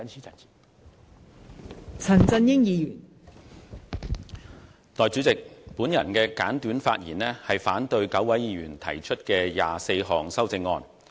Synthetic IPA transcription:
t͡sʰɐ˨˩nt͡sɐ˧njɪ˥ŋjiː˧jyː˨˩n | t̪ɔː˨jt͡sy˨˥t͡sɪ˨k̚puː˨˥njɐ˨˩nkɛː˧kaː˨˥nt̪yː˨˥nfaː˧t̚jiː˨˩nɛː˥hɐ˨jfaː˨˥nt̪ɵ˧ɥkɐ˨˥wɐ˨˥jiː˨˧ɥyː˨˩nt̪ʰɐ˨˩jt͡ʃʰɵ˥t̚kɛː˧jaː˨se˧jɦɔː˨ŋsɐ˥wt͡sɪ˧ŋːɔ̰ː˧n

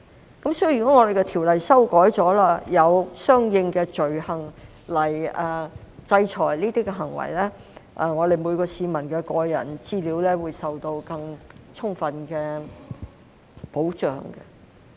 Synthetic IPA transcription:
kɐ˨˥msɔː˥˨y˨kɔ˨˥ŋɔː˨˧d̪e˨jkɛ˧t̪ʰiː˨˩wlɐ˨jsɐ˥wkɔː˨˥jt͡sɔː˨˥laː˥jɐ˨˧wsœː˥ŋjɪ˧ŋkɛː˧t͡ʃɵ˨ɥhɐ˨ŋ | lɐ˨˩jɐː˨t͡sɐ˧jt͡ʃʰɔː˨˩jliː˥t̪iː˥kɛ˧ɦɐ˨˩ŋwɐ̰˨˩jlɛː˥ʔɛ˧ŋɔː˨˧d̪e˨jmu˨˧jkɔː˧siː˨˧mɐ˨˩nkɛː˧kɔː˧jɐ̰˨˩nt͡siː˥liː˨˥wlɛː˥wuː˨˧jsɐ˨wt̪o˧wkɐ˧ŋt͡sʰʊ˥ŋfɐ˨nkɛː˧ | po˨˥wt͡ʃœ̰ː˨ŋkɛ̰˧

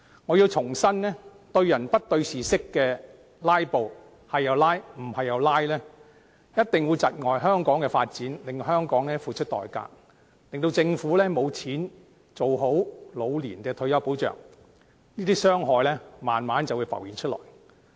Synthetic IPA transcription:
ŋɔː˨˧ji˧wt͡sʰʊ˨˩ŋsɐ˥nnɛː˥ | t̪ɵ˧ɥjɐ˨˩npɐ˥t̚t̪ɵ˧ɥsiː˨sɪ˥kːɛː˧ | laː˥jpo˨˧w | hɐ˨jːɐ˨˧wlaː˥jm̩˨˩hɐ˨jːɐ˨˧wlaː˥jlɛː˥ | jɐ˥t̚t̪ɪ˨ŋwuː˨˧jt͡sɐ˨t̚ŋɔː˨˩jɦœː˥ŋkɔː˨˥ŋkɛː˧faː˧t̚t͡siː˨˥nlɪ˨ŋhœː˥ŋkɔː˨˥ŋlɛː˥fuː˨˧t͡ʃʰɵ˥t̚t̪ɔ̰ː˨˩jka̰ː˧k̚ | lɪ˨ŋt̪o˧wt͡sɪ˧ŋfuː˨˥lɛː˥mo˨˧wt͡sʰiː˨˥n | t͡so˨wɦo˨˥wlo˨˧wliː˨˩nkɛː˧t̪ʰɵ˧ɥjɐ˨˥wpo˨˥wt͡ʃœ̰ː˨ŋ̚ | niː˥t̪iː˥sœː˥ŋɦɔː˨jlɛː˥maː˨˩nmaː˨˥nt͡sɐ˨wu˨˧jfɐ̰˨˩wjiː˨˩nt͡ʃʰɵ˥t̚lɔ̰ː˨˩j

